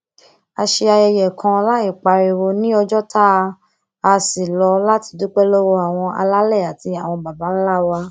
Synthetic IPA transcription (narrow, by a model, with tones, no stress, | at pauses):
a˧ʃe˧a˧jɛ˧jɛ˨kʰã˧la˦i˦˨k͡pa˨˧ɾi˨wo˧nĩ˦ɔ˧d͡ʒɔ˦tʰa˦˧ | a˧si˨lɔ˧la˦ti˧du˦k͡pɛ˦lo˦wo˧a˨w̃ɔ̃˧a̰˧la˦lɛ˦˨a˨ti˧a˨w̃ɔ̃˧ba˨ba˨˦n̩˦la˦˨wa˧˦